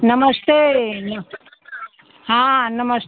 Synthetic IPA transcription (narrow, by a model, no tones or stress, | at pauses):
nɐməst̪en | ɦãnɐməs